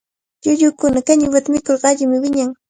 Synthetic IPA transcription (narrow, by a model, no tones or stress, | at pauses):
ʎʊʎʊkʊnakaɲʊwat̪amɪkoɾɢɑaʎɪmɪwɪɲaŋ